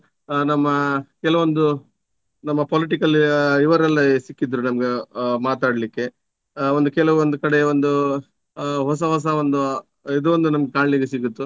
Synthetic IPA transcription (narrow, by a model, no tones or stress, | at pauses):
nɐmːɐkɛlɐʋond̪u | nɐmːɐpoliʈ̬ikɐliʋɐɾɐlːɐsikːid̪ɾunɐmɐɡe̞maːt̪aːɽɐlikːe̞ | ond̪ukɛlɐʋond̪ukɐɽe̞ond̪u | ɦɔs̬ɐɦɔs̬ɐond̪u | id̪uʋond̪unɐmɐɡekaːɳliɡesiɡut̪ːu